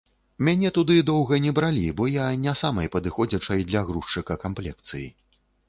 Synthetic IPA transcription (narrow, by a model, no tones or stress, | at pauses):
mʲanʲɛt̪ud̪ɨd̪ɔwɣɐnʲɛbɾalʲibɔjanʲasamɐjpɐd̪ɨxɔd͡zʲɐt͡ʂɐjd̪lʲɐɣɾuʂt͡ʂɨkɐkamplʲɛkt̪sɨjḭ